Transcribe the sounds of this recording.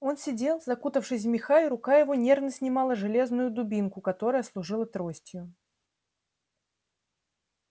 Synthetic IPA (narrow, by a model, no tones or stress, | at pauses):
o̞nsʲɪdʲe̞lˠzɐkut̪əfʂɨsʲvmʲɪxaʊɾʊkajɪvʊnʲe̞rvnəsʲnʲɪmɑlˠəʐɨlʲe̞znʊjʊd̪ʊbʲinkʊkɐt̪o̞ɾəjəslˠʊʐɨlˠət̪ɾo̞sʲtʲjʊ